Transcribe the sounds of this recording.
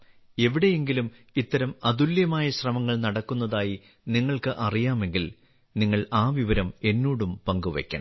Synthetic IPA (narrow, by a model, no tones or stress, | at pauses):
e̞ʋiɽe̞je̞ŋɡilum | it̪ːɐɾɐmɐðuljɐmaːjɐɕrɐmɐŋːɐɭnɐɽɐkːunːɐðaːji | niŋːɐɭkɨʔɐrijaːme̞ŋɡil | niŋːɐɭaːʋiʋɐɾɐme̞nːuːɽumpɐŋɡuʋɐ̰kʲːɐ̰ɳɐ̰